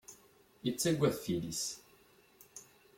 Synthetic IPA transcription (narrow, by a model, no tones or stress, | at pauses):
it͡sːæɡʷːæθθilis